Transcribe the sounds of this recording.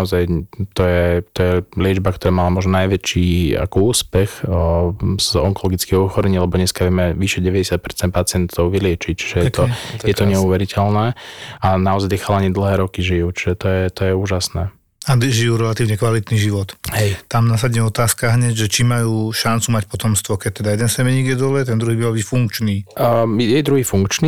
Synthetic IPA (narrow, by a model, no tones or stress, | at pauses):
ɔzajt̪ɔjɛt̪ɔjɛlɪɛd͡ʒbak̚t̪ɔɾaːmalamʊɔʒnɔnajʋɛt͡ʃiːa̰kɔuːspɛx | z̥ɔŋkɔlɔɡit͡skɛːɦɔɔxɔɾɛɲilɛbɔɲɛskaʋɛmɛʋiʃɛɟɛʋɛɟɛsjat̪̚pɛɾt͡sɛn̚pat͡sɪɛnt̪ʰɔʊʋilɪɛt͡ʃic̚t͡ʃi̥ʒɛjɛt̪ɔjɛt̪ɔɲɛuʋɛɾicʰɛlnɛːanaɔzajd̪ixaːlaɲiɛd̪l̩ˠɦɛːɾɔkiʒijut͡ʃiʒɛt̪ɔjɛt̪ɔjɛuːʒasnɛː | ad̪ʒijuːɾɛlat̪iːʊɲɛkʋalit̪niʒiʋɔt̪ɦɛjt̪amnas̬aɟɲɛɔt̪aːskaɦɲɛɟʒɛt͡ʃimajuːʃant͡sumac̚pɔt̪ɔmst̪ʋɔkɛɟ̚t̪ɛd̪ajɛd̪ɛnsɛmɛɲiːɡjɛd̪ɔlɛt̪ɛnd̪ɾuɦibimalbicfuŋkt͡ʃniːjɛjd̪ɾuɦiːfuŋkt͡ʃniː